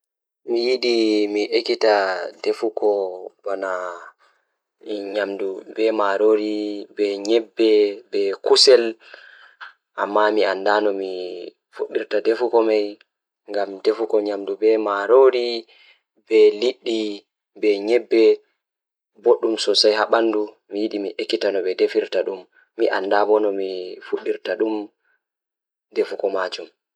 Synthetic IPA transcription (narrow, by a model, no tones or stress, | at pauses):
mijiɗimiʔekitadefukɔbana | ɲamdubɛmaɾoɾibɛɲɛbːɛbɛkusɛl | ʔamːamiandanɔmi | fuɗːiɾtadefukɔmaj | ŋɡamdefukɔɲamdubɛmaɾoɾi | bɛliɗːi | bɛɲɛbːɛ | boɗːumsɔsajhaɓandu | mijiɗimiʔekːitanɔbɛdefiɾtaɗumː | iʔa̰ndabɔnɔmifuɗːiɾtaɗum | defukɔmad͡ʒum